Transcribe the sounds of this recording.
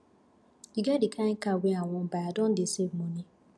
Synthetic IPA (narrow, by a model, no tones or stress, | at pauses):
iɡadɪkʰaŋ̩kaweaŋʷʊbaadɔn̩dɪseboni